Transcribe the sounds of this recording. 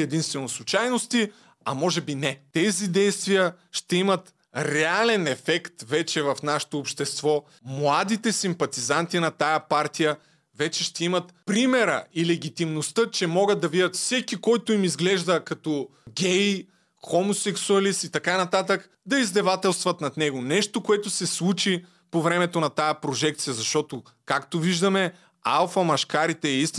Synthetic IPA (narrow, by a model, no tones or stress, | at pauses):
ɛd̪inst̪vɛnoslˠʊt͡ʃajnost̪i | ɐmɔʒɛbinɛt̪ɛzid̪ɛjst̪vijə | ʃt̪ɛimɐt̪ | ɾɛalɛnɛfɛkt̪vɛt͡ʃɛvɐfnaʃɛ̥t̪oːpʃt̪ɛst̪vɔ | mlˠad̪it̪ɛsimpɐt̪izant̪inɐt̪ajɐpaɾt̪ijə | vɛt͡ʃɛʃt̪ɛimɐt̪pɾimɛɾɐ̰ilɛɡ̟ʲit̪imnost̪ɤt͡ʃɛmɔɡət̪̚d̪ɐvidʲɐt̪fsɛkikɔjt̪ʊimizɡlɛʒd̪əkɐt̪ɔɡʲɛj | xomosɛksuɐlist̪it̪ɐkanɐt̪at̪̬ək | d̪ɐizd̪ɛvat̪ɛlˠst̪vɐt̪nɐd̪nɛɡonɛʃt̪okoɛt̪ʊsɛslˠut͡ʃi | povɾɛmɛt̪onɐt̪ajɐpɾoʒɛk̚t̪sijəzɐʃt̪ɔt̪o | kakt̪oviʒd̪ɐmɛ | a̰lˠfɐmɐʃkaɾit̪ɛːist̪i